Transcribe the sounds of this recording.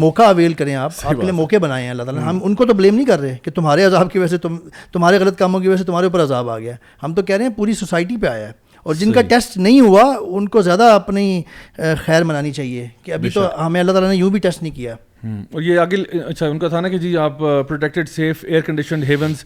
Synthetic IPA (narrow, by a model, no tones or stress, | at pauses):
mɔːkaɐʋeːlkɐɾẽaːpaːpkeliemɔːkebɐnaːẽɦɛ̃ɐlːat̪aːlaɦɐmʊnkot̪̬obleːmnɐɦĩkɐɾːeeːket̪ʊmɦaːɾeɐzaːbkeʋɐɛs̬et̪ʊmt̪ʊmɦaːɾeɣɐlət̪̚kaːmõk̬eʋɐɛs̬et̪ʊmɦaːɾeuːp̬əɾɐzaːba̰ːɡɪjaɛː | hɐmt̪̬okɛɦɾeɦɛ̃puːɾisosaːɪʈipeaːjaɛː | ɔːɾd͡ʒɪnkaʈɛsʈnɐɦĩɦuaʊnkozjaːd̪aɐpni | xɛːɾmɐnaːnit͡ʃaːɦiekeɐbʱit̪oɦɐmẽɐlːat̪aːlanejũːbʱiʈɛsʈnɦĩkijaː | ɔːɾjeɐɡɪlɐtːʃʰaʊ̃nkat̪ʰanaked͡ʒiːaːppːɾoːʈɛk̚ʈɪɖseːfeːəɾkə̃ɳɖɪʃənɦeːʋə̃nz